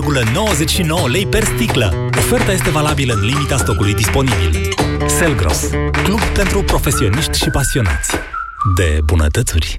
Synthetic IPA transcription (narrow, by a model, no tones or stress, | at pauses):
rɡuləno̞wəze̞t͡ʃʃino̞wəle̞jpe̞rst̪iklə̰ | o̞fe̞rt̪aje̞s̬t̪e̞valabiləɨnlimit̪ast̪o̞kulujd̪ispo̞nibḭl | selɡɾo̰sklubpent̪ɾupɾo̞fe̞sio̞niʃt̪ʲʃipasio̞na̰t̪sʲ | d̪e̞̰bunə̰t̪ət̪sṵrʲ